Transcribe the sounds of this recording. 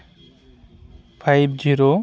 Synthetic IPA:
fʰajbd͡ʒiɾo

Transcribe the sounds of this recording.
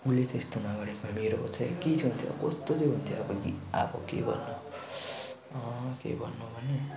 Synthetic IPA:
ulet̪est̪onʌɡʌɽekameɾopʌt͡sʰajket͡sʰʌnt̪ʰjo̰kʌst̪ot͡sʌjɦunt̪ʰjobʌɡia̰bʌ̰kḛbʱʌ̰nːo | ʌ̃kḛjbʱʌ̰nːobʱʌne

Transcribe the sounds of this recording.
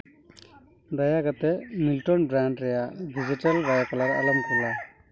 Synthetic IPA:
dɐjakat̪emilʈɔnbɾaɳɖɾɛjadid͡ʒiʈɐlbajakɔlaɾɐ̰lɔmkulːa

